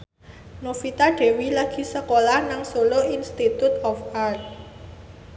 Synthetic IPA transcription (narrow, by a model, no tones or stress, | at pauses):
nofit̪aɖ̥e̤wilaɡ̥i̤səkolanaŋsoloinst̪it̪ut̪ɔfart̪̚